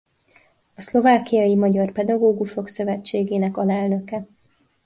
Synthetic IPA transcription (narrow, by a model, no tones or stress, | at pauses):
ɒslovaːkijɒjimɒɟɒrpɛd̪ɒɡoːɡuʃo̞ksø̞vɛt͡ʃːeːɡeːnɛkɒlɛlnø̞kɛ